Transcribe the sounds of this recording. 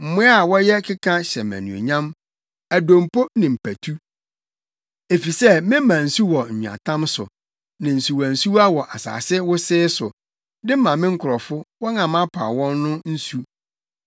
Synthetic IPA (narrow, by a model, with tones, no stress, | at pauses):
m̩˨mʊ̃˦a˦˨wɔ˦jɛ˦kʰɪ˦kʰã˦ɕɛ˨mæ̰̃˨nṵ̃˨o̰˨ɲã˦m | æ˨dõ˨mpo˦nɪ̃˨m̩˨pʰæ˨tʰu˦ | e˨fi˨sɛ˦mɪ̃˦mã˨n̩˨su˦wɔ˨ɲ̩˨ɲ̃ᶣ˨a̰˨tʰã˦msʊ̰˨ | nɪ̃˨n̩˨su˨wɔ˨n̩˨su˦wa˦wɔ˨ʔa˨sa̰ː˨sɪ˦wʊ˦sɪː˦sʊ˨ | dɪ˦mã˨mɪ̃˦ŋ̩˦kʰʊ˨ɾɔ˨fʊ˦wɔ˦nã˨mã˦pʰa̰ː˨wɔ̃˦nːʊ̃˦n̩˦su˦